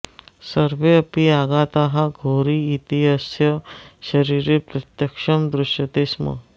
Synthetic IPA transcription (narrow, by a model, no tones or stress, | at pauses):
sɐɾʋeɐpiaːɡaːt̪aːɦaɡʱoːɾiːt̪iɦɐsjɐʃɐɾiːɾepɾɐt̪jɐkʃɐmd̪ɾʊʃjɐt̪eːsmɐ̰